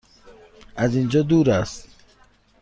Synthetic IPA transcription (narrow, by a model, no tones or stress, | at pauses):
azind͡ʒɒːd̪uːɾast̪